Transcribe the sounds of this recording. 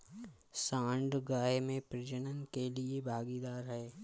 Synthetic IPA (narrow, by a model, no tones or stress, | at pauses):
sãːɳɖɡaːemẽpɾɪd͡ʒənənkeliebʱaːɡid̪aːɾɦɛː